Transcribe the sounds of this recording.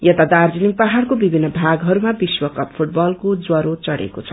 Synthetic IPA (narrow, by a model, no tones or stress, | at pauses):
jʌt̪ad̪ard͡ziniŋpaɦarkobibʱinːʌbʱaɡɦʌɾumabiswʌkʌppʰuʈ̚bʌlkod͡zwʌɾot͡sʌɽḛkot͡sʰʌ̥